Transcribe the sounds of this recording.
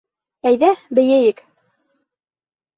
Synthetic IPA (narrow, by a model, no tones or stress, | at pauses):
æjðæbɘ̆jæjɘk